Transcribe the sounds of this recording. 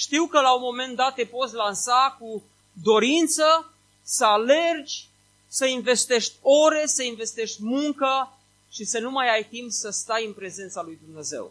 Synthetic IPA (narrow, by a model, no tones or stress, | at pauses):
ʃt̪iwkəlaunmo̞me̞nt̪̚d̪at̪ːepo̞t̪sʲlansaku | d̪o̞ɾint̪sə | səale̞rd͡ʒʲ | səinve̞st̪e̞ʃt̪ʲo̞ɾe̞səinve̞st̪e̞ʃt̪ʲmuŋkə | ʃisənumajajt̪impsəst̪ajɨnpɾe̞ze̞nt̪salujd̪umne̞ze̞̰w